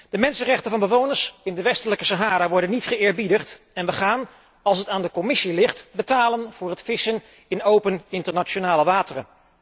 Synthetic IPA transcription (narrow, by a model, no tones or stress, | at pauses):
d̥əmɛnsənrɛχtənvɑnbəʋownəɹsɪndəʋɛstələkəsaɦaːɾaʋɔɹdənːitχəɪːɹbidəχt | ɛnʋəχaːn | ɑlˠsɦətaːndəkɔmɪsilɪχtbətaːlənv̥ʊːɹɦətfɪsən | ɪnowpənɪntəɹnat͡ʃonaːləʋaːtərə̰n